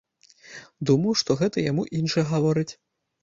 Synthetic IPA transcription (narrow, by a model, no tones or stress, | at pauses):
d̪umɐwʂt̪ɔɣɛt̪ɐjamuʔinʂɐjɛɣavɔɾɨt͡sʲ